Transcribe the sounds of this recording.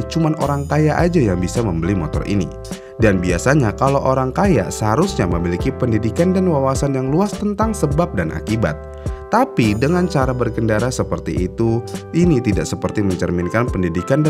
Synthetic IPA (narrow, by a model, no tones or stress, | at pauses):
t͡ʃumanoɾaŋkajaʔad͡ʒajaŋbisaməmbəlimɔt̪ɔ̰rʔḭnḭ | danbiasaɲakalowʔoɾaŋkaja̰səɦaɾusɲaməmilikipəndidikandanwawasanjaŋluast̪ənt̪aŋsəbap̚danʔa̰kiba̰t̪̚ː | apidəŋant͡ʃaɾabərɡəndaɾasəpərt̪iːt̪uʔinit̪idaʔsəpərt̪iməɲt͡ʃərminkanpəndidikand